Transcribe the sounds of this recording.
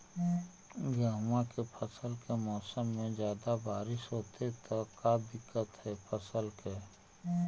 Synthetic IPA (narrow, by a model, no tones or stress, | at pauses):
ɡəɦmãkepʰəsəlkemɔːsəmːẽd͡ʒjaːd̪abaːɾɪʃɦoːt̪et̪okad̪ɪkːət̪ɦɛːpʰəsəlkeː